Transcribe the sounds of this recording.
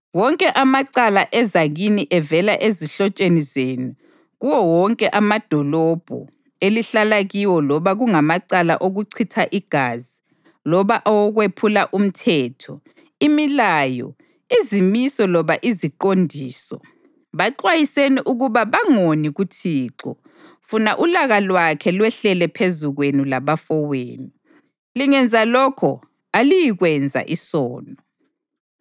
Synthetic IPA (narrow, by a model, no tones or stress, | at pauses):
wɔŋkʼɛʔamaǀalaʔɛzaɣiniʔɛvɛlaʔeziɬɔt͡ʃʼenizeːnu | ɣuwɔwɔŋkʼɛʔamad̥ʱɔlɔb̥ʱɔ̰ | eliɬalaɣiwɔlɔβaɣuŋamaǀala̰ʔoɣuǀʰitʰaʔiɡ̥ʱaːzi | lɔβaʔɔwɔɣwepʰulaʔum̩tʰɛːtʰɔ | imilaːjɔ̰ | izimisɔlɔβaʔiziǃondʱiːsɔ | βaǃwajiseniʔuɣuβaβaŋoniɣutʰiːǁɔ | funaʔulaɣalwakʰɛlwɛɬɛlɛpʰezuɣwenilaβafɔweːniu | liŋɛnd͡zʱalɔkʰɔ | alijiɣwɛnd͡zʱa̰ʔisɔːnʱɔ